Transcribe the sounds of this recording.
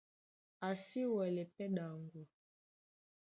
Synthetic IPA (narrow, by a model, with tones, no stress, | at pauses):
a˨si˦wɛ˨lɛ˨pɛ˦ɗa˨ŋɡɔ˨